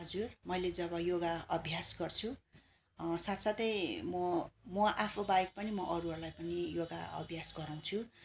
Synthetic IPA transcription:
ɦʌd͡zurmʌjled͡zʌβʌjoɡaʌbʱjasɡʌrt͡sʰu | sat̪sat̪ʌjmʌmʌʔapʰobajk̚pʌnimʌʔʌɾuɦʌrlajpʌnijoɡa̰ʌ̰bʱjasɡʌɾaw̃t͡sʰu

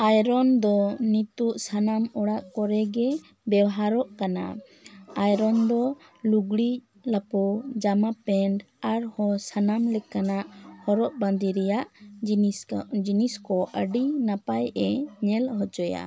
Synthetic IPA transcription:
ajɾɔnd̪ɔnit̪uʔsanamɔɽaʔkɔɾɛɡɛ | bɛwɦaɾɔʔkana̰ | ajɾɔnd̪ɔ | luɡɽi | lapɔd͡ʒamapɛɳɖ | aɾhɔsanamlɛkanaʔhɔɾɔʔbãnd̪iɾɛjaʔ | d͡ʒiniskɔʔəɖinapajʔɛɲɛlhɔd͡ʒɔja̰

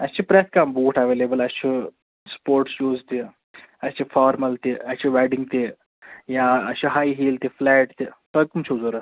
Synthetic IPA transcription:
ɐst͡ʃʰipɾeskaːmbuːʈʰɐʋeːleːbɐlɐst͡ʃʰi | spoːɾʈst͡ʃuːzt̪i | ɐst͡ʃʰifʰaːɾmɐlt̪iɐst͡ʃʰiʋɛːɖiŋɡt̪i | jaɐt͡ʃʰiɦaːjɦiːlt̪ifʰlɛːʈt̪it̪ɐkumt͡ʃʰuzoːɾɐ

